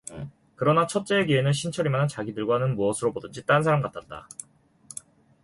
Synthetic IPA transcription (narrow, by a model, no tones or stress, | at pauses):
kɯɾʌnat͡ɕʰʌt̚t͡ɕ͈e̞ːɡienɯnɕʰint͡ɕʰʌɾimanɦant͡ɕaɡidɯɭɡwanɯnmuʌsʰɯɾobodɯnd͡ʑit͈ansʰaɾamkatʰat̚t͈a̰